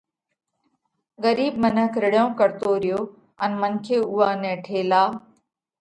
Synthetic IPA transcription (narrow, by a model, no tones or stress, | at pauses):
ɣəɾiːb̚mənəkʰɾɪɽjõːkəɾt̪oɾɪjoː | ənmənkʰeːʊːaːnɛ̃ːʈʰeːlaː